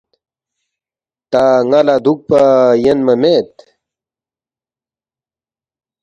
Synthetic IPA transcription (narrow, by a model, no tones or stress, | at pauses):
t̪aŋalad̪uk̚pajenmɐmet̪